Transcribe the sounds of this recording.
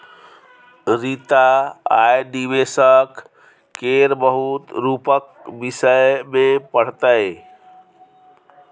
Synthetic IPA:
ɾit̪aajɖibesəkː | eɾbəɦut̪ɾupək̚ | bisəjmepəɽ̤t̪əj

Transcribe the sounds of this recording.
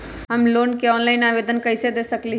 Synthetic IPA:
ɦɐmloːnkeɔːnlaːɪnaːʋeːd̪ənkəɪsed̪eːsəkli

